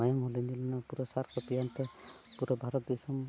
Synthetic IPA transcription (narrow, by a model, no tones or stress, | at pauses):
ajɔmɦolind̪ilanapuɾɔsaɾkɔpijant̪ɔpuɾɔbʱaɾɔt̪̚d̪isɔm